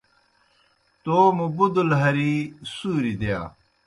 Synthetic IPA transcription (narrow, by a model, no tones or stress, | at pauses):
t̪oːmubud̪ulɦɐɾisuːɾid̪eja̰ː